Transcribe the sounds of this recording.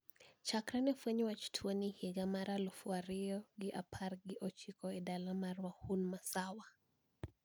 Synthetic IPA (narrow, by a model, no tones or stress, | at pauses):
t͡ʃakɾanɛfwɛɲwat͡ʃtʰwoniheɡamaɾalɔfwaɾɪjɔɡɪʔa̰pʰarɡɪʔot͡ʃikɔɛdalamarwahunmasawa